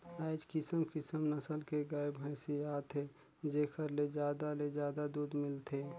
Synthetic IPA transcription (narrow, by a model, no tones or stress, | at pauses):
aɪd͡ʒkɪsəmkɪsəmnəsəlkeɡaːɪbɦə̃ːsiaːt̪ʰe | d͡ʒeːkʰəɾled͡ʒjaːd̪aled͡ʒjaːd̪ad̪uːd̪mɪlt̪ʰeː